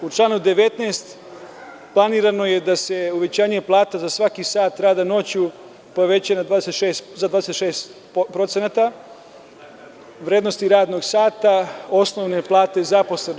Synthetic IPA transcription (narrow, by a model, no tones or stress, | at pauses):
ut͡ʃlˠaːnud̪eʋe̞t̪neːst̪ | plˠaniːɾano̞je̞d̪ase̞uʋe̞t͡ɕaːɲe̞plˠaːt̪azasʋakisaːt̪ɾaːd̪ano̞t͡ɕu | po̞ʋe̞t͡ɕanad̪ʋaːd̪eset̪ʃeːszad̪vaːd̪eset̪ʃeːst̪ | pɾot̪senat̪a | ʋɾeːd̪no̞st̪iɾaːd̪no̞ɡsaːt̪ao̞sno̞ʋne̞plˠaːt̪e̞zapo̞sleno